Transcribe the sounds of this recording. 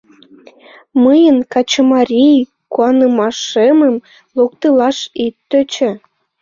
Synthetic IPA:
məjənkɑt͡ɕəmɑɾʲij | kuɑnəmɑʃeməm | lok̚t̪əlɑʃit̪ːøt͡ɕĕ

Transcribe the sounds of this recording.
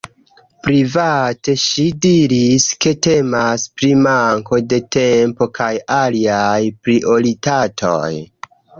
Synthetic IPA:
pɾivate̞ʃidiɾiske̞te̞maspɾimaŋko̞de̞te̞mpo̞kʰajaliajpɾiʔo̞ɾitatʰo̞̰j

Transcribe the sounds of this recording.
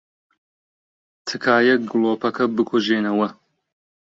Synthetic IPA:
t̪ʰɨkʰaːjɐɡɨlˠoːpɐkʰɐbɨkʰoʒeːnɐwɐ

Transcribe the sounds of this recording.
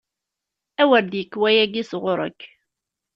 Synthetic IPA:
æwəɾd̪jəkːwæjæɡisʁʊɾˤə̰kː

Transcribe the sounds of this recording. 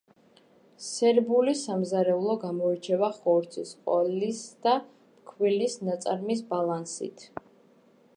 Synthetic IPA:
sɛɾbulisamzaɾɛulˠɔɡamɔɛɾt͡ʃʰɛvaχɔɾt̪sʰiskʼɔlisd̪a | pkʰwilisnat̪sʼa̰ɾmis̬balˠansḭt̪ʰ

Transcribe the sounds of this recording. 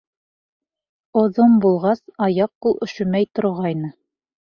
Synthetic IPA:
ŏðombulˠʁɑsɑjɑq̚ːulˠʔɵ̆ʃɵ̆mæjt̪ŏɾʁɑjnɤ

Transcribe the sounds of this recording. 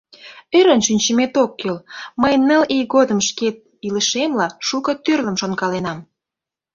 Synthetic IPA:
øɾənʃynʲt͡ɕəmet̪okːelməjnəlejɣod̪əmʃket̪̚ | iləʃemlɑʃukət̪ørlə̆mʃonkɑlenɑm

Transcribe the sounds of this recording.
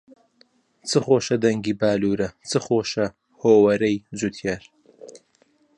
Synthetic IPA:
t͡sʰɨχoːʃɐd̪ɐŋɡiːbaːluːɾɐt͡sʰɨχoːʃɐ | hoːwɐɾɐjzut̪ʰjaɾ

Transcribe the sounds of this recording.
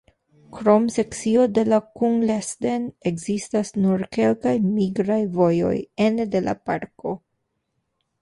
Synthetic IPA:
kɾo̞mse̞kt͡sio̞de̞lakuŋlesde̞nekzistasnuɾke̞lkajmiɡɾajvo̞jo̞̰jende̞la̰paɾko̞

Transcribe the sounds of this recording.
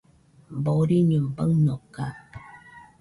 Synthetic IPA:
mbɔɾiɲəmbəŋnɔka̰

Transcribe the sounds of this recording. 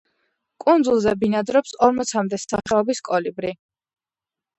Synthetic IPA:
kʼund̪zulˠzɛbinad̪ɾɔpsɔɾmɔt̪sʰamd̪ɛsaχɛɔbiskʼɔlibɾi

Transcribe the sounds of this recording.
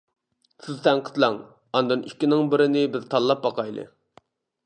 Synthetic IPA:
sɪzt̪ʰæŋqʰə̥t̪lˠɑŋ | ɑnd̪ɨnykʲːinɪŋbɪɾɪnɪbɪzt̪ʰɑlˠːɑp̚bɑqʰɑjlˠɨ̰

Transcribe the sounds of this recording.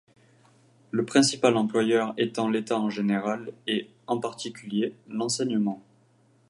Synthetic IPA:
ləpχɛ̃sipalɑ̃plwajœʁet̪ɑ̃let̪aɑ̃ʒeneʁale | ɑ̃paʁt̪ikʲyljelɑ̃sɛɲəmɑ̃

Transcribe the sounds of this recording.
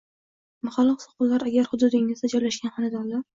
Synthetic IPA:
mʊχalˠːɨqsʊ̥qʊllaɾaɡʲaɾhʊd̪ʊd̪ɪŋɪzd̪ad͡ʒɒjlaʃɡʲanhanɪd̪and̪a

